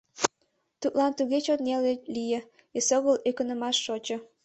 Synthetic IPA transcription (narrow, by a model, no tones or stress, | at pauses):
t̪ut̪lɑnt̪uɣet͡ɕot̪nelelijə̆ | esoɣəlekənə̆mɑʃːot͡ɕə̆